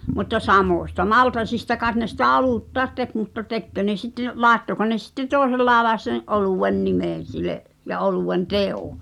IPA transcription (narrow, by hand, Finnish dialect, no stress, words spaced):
mutːɑ sɑmoˑsʲtɑ mɑltɑsistɑ kɑˑet ne sitæ oluˑtːɑet tek mutːɑ tekːø ne sitːe lɑːĕtːoko ne sitːe toˑesel lɑːĕlɑˑes sen ʔoluˑwen nimeˑn̞ sileʔ jɑ ʔoluwen teo